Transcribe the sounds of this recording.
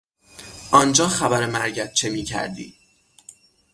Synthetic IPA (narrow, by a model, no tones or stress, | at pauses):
ʔɒːnd͡ʒɒːxæbæɾemæɾɟæt̪̚t͡ʃʰe̞miːcʰæ̰ɾd̪ḭː